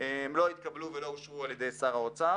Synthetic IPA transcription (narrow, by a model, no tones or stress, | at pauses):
eemlo̞it̪̚kabluvelo̞uʃvualjed̪e̞jsaʁaot͡sa